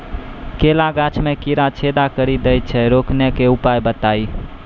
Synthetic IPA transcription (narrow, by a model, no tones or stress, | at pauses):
kelaɡat͡ʃʰmekiɾat͡ʃʰed̪akəɾid̪ɛjt̪̚t͡ʃʰɛɾoknekeupajbət̪ai